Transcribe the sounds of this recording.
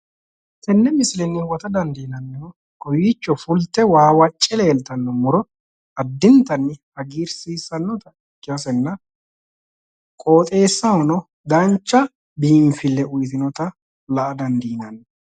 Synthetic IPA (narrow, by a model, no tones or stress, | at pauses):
t̪ɛnːɛmɪslɛnːɪwɔt̪ɐd̪ɐnd̪iːnɐnːɪɔ | ɡɔjiːt͡ʃːɔfʊlt̪ːɛwaːwɐt͡ʃʼːɪleːlt̪ɐnːɔmʊɾɔ | ɐd̪ːɪnt̪ɐnːɪhɐɡiːɾsiːsːɐnːɔt̪ɐɪkːɪɐsɛnːɐ | kʼoːt̪ʼe̞ːsːɐhɔnɔ | d̪ɐnt͡ʃːɐ | biːɱfɪlːɛʊjt̪̬ɪnɔt̪ɐ | lɐʔɐd̪ɐnd̪iːnɐnː